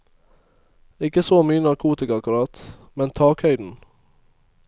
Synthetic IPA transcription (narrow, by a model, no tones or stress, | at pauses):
ɪkəsoːmyːənɑɾkʰuːt̪ɪkɑkʉɾɑt̪mɛnt̪ʰɑːkhœʏd̪n̩